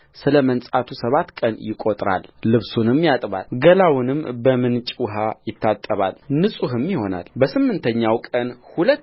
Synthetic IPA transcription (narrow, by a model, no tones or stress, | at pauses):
sɨləmənsʼat̪ʰusəβat̪ːkʼənjɪkʼot̪ʼɾa̰lːɨβsunɨmːjat̪ʼβa̰lɡəlawʊnɨmbəmɨnt͡ʃʼwɦajɪt̪ʰːat̪ʼːəβa̰lnɨsʼuɦɨmjɪho̞na̰lbəsɨmːɨnt̪ʰəɲːawkʼənhulət̪ː